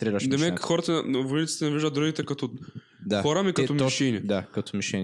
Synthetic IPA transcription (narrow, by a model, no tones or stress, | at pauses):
t̪ɾɛɾaʃd̪ɛmɛxɔɾɐt̪ɐvonit̪si̥t̪ɛnɐviʒd̪ɐt̪d̪ɾuɡit̪ɛkɐt̪ɔ | d̪axɔɾɐmikɐt̪ɔmɛʃɛnid̪akɐt̪ɔmiʃɛnʲ